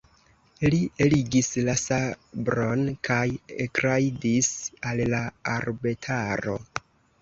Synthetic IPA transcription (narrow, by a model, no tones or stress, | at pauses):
lieliɡislasabɾo̞nkʰajekɾaidisalːaaɾbetʰaɾo̞̰